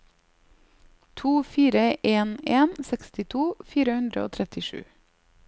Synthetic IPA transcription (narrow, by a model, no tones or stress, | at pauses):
t̪ʰuːfiːɾəʔeːneːnsɛkst̪ɪt̪ʰuːfiːɾəhʉnd̪ɾə̰o̰ːt̪ʰɾɛt̪ɪʃʉ̰ː